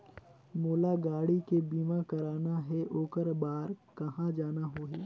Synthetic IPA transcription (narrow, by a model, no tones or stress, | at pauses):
moːlaɡaːɽikebiːmakɐɾaːnaɦɛʔoːkəɾbaːɾkɐɦãd͡ʒaːnaɦoːɦiː